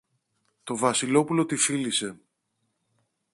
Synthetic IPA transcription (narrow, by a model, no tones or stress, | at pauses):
t̪o̞vɐsilo̞pulo̞t̪ifilise̞